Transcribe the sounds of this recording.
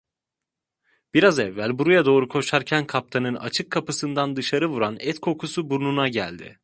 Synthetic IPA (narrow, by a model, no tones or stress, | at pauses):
b̥iɾazɛvːælʲbuɾujad̪o̞ːɾukʰo̞ʃaɾcʰænkʰap̚t̪ʰanɯna̰t͡ʃʰɯkʰːapɯsɯnd̪and̪ɯʃaɾɯvuɾanɛt̪kʰo̞kʰusubuɾnunaɟæ̰lʲd̪ɪ̰